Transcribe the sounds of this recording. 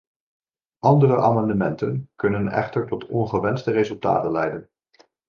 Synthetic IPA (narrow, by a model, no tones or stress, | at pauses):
ʔɑndərəʔaːmɑndəmɛntənkɵnənɛ̰χtəɹtɔtɔnχəʋɛnstərezɵlˠta̰ːtənlɛjdən